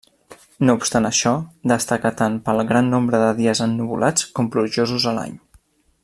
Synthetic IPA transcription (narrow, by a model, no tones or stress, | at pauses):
noupst̪anəʃɔd̪əst̪akət̪anpəlˠɣɾanːombɾəðəðiəzənːuβṵlʔat͡skɔmpluʒozuzəla̰ɲ